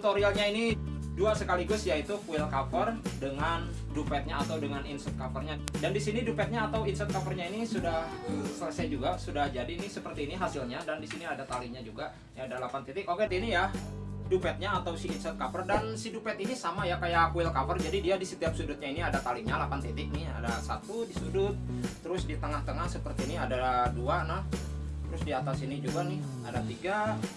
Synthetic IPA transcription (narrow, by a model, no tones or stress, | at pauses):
t̪oɾialɲaini | duasəkaliɡʊsjait̪ukuɪlkafərdəŋan | dupɛt̪̚ɲaːt̪awdəŋaninsɛt̪̚kafərɲadandisinidupɛt̪̚ɲaːt̪awinsɛt̪̚kafərɲainisudahəsələsajd͡ʒuɡasudahd͡ʒadiːnisəpərt̪iːniɦasilɲadandisiniadat̪alɪk̚ɲad͡ʒuɡa | jaːdalapant̪it̪ɪkokɛt̪inijadupɛt̪̚ɲaːt̪awsiːnsɛt̪̚kapərdansidupɛt̪inisamajakajakuɪlkapərd͡ʒadidiadisət̪iap̚sudʊt̪̚ɲainiadat̪alɪʔɲalapant̪ɛt̪ɪk̚nɪha̰dasa̰t̪udisudʊt̪̚ːəɾʊsdit̪əŋaht̪əŋahsəpərt̪iniadaduanaht̪əɾʊsdiat̪asinid͡ʒuɡanɪh | a̰dat̪iɡa